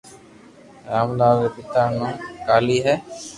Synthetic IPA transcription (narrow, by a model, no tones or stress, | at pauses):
ɾamlad̪ɛpit̪aɾnɔkaliɦɛ